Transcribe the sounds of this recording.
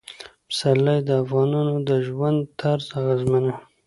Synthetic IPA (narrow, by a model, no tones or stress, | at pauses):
msalːajd̪əafɣɑnɑnod̪əʒwand̪t̪ʰaɾzaɣazmana